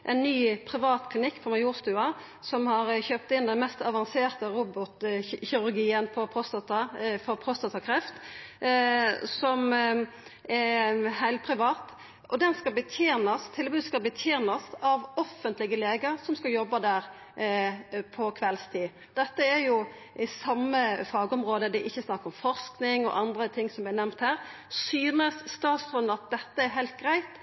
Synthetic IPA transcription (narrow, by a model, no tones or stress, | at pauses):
ʔɛ̰nːyːpʰɾɪʋɑːt̪kʰlɪnɪkːfɔɾmɑjuːɾst̪ʉːɑ | sɔmhɑɾçøːp̚t̪ɪnd̪ɛnmɛst̪ɑʋɑnseːʁt̪əɾuːbɔt̪çɪɾʉɾɡiːənpʰɔpʰʁɔst̪ɑt̪ɑfɔpʰʁɔst̪ɑt̪ʰɑkʰɾɛft̪ | sɔm | ɛɾhæɪlt̪̚pʰɾɪʋɑːt̪ | ʔɔd̪ɛnskɑlbət̪ʰjeːnɑst̪ʰɪlbʉːd̪skɑlbət̪ʰjeːnɑsɑʋɔfːənt̪lɪɡəleːɡəɾsɔmskɑjɔbːɑd̪æːɾ | pʰɔkʰʋɛlst̪ʰiː | d̪̥ɛt̪ːəɛɾjʊ | ʔɪsɑmːəfɑːɡəɔmɾoːd̪əd̪ɛʔɪçːəsnɑkːəɾɔmfɔʁsknɪŋɔ̰ʔɑnd̪ɾət̪ʰɪŋːsɔmænæmt̪hæːɾ | syːnəsːt̪ɑːt̪sɡʁʉnːɑt̪̚d̪ɛt̪ːəɛɾɦæɪlt̪̚ɡɾæɪt̪